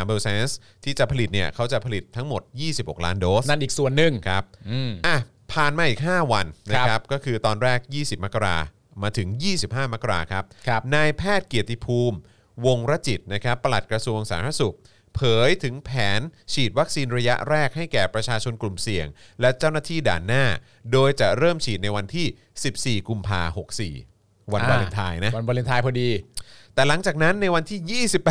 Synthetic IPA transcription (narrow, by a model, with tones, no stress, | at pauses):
a˨˦beː˧seː˧˥ns | t̪ʰiː˥˩t͡ɕa˨˩pʰa˧li˨˩t̪̚ni˥˩ɐəkʰa˦˥wt͡ɕa˨˩pʰa˧li˨˩t̪ʰːa˦˥ŋmo˨˩t̪̚jiː˥˩si˨˩p̚ho̰˨˩k̚laː˦˥ndoː˦˥na˥˩nʔiː˨˩k̚su˨˩ənːɯ˨˩ŋkʰa˦˥p̚ːʔa˧˩ | pʰaː˨˩nmaː˧ʔiː˨˩k̚ɦaː˥˩wa˧nna˦˥kʰa˦˥p̚kɔː˥˩kʰɯː˧t̪ɔː˧nɾɛː˥˩k̚jiː˥˩si˨˩p̚ma˦˥kːa˧ɾa̰ː˧ | maː˧t̪ʰɯ˩˦ŋjiː˥˩si˨˩p̚haː˥˩ma˦˥kːa˧ɾa̰ː˧kʰa˦˥p̚ʰnaː˧jpʰɛː˥˩t̪̚ki˨˩ət̪ːi˧˩pʰuː˧m | wo˧ŋɾa˦˥t͡ɕi˨˩t̪̚na˦˥kʰa˦˥pːa˧la˨˩t̪̚kɾa˧su˧əŋsa̰ː˩˦mɾa˦˥su˨˩k̚ | pʰɤː˨˩˦jt̪ʰɯ˩˦ŋpʰɛː˩˦nt͡ɕʰiː˨˩t̪̚wa˦˥k̚siː˧nɾa˧ja̰˦˥ʔɾɛː˥˩k̚ha˥˩jkɛː˨˩pɾa˧t͡ɕʰaː˧t͡ɕʰo˧nklu˨˩msi˨˩əŋ | lɛ˦˥t͡ɕa˥˩wnaː˥˩t̪ʰiː˥˩da̰ː˨˩nːaː˥˩ | doː˧jt͡ɕa˨˩ɾɤː˥˩mt͡ɕʰiː˨˩t̪̚na˧jwa˧nt̪ʰiː˥˩ | si˨˩p̚siː˨˩ku˧mpʰa̰ː˧ho˨˩k̚sḭː˨˩ | wa˧nbɔː˧llːe˧nt̪ʰaː˧jna˦˥a˧nbɔː˧lie˧nt̪ʰaː˧jpʰɔ˧diː˧t̪ɛː˨˩la˩˦ŋt͡ɕaː˨˩k̚na˦˥nːa˧jwa˧nt̪ʰiː˥˩jiː˥˩si˨˩pː